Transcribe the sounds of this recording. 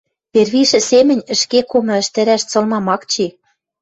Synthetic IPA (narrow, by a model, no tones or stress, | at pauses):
pʲerβiʃɘ̆semɘ̆nʲɘ̆ʃkekomɤ̆ɘ̆ʃt̪ɘ̆ɾæʃt͡sɤ̆lmɑmɑkt͡ɕi